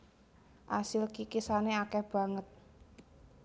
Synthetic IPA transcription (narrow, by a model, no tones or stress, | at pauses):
ʔasɪlkikisaneakɛhb̥a̤ŋət̪̚